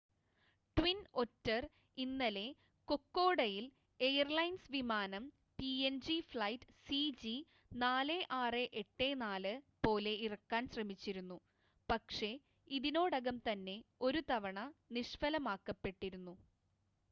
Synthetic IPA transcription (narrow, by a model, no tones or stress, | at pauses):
ʈwino̞tːɐr | inːɐle̞ | ko̞kːo̞ːɽɐjil | ejɐrlɐjnsʋimaːnɐm | piend͡ʑifɭɐjtsid͡ʑi | naːleʔaːreʔeʈːe̞ːnaːlɨpo̞ːle̞irɐkːaːnɕrɐmit͡ɕːiɾunːu | pɐkʂe̞ | iðino̞ːɽɐɣɐmt̪ɐnːe̞o̞ɾut̪ɐʋɐɳɐniʂfɐlɐmaːkːɐpːe̞ʈːiɾunːu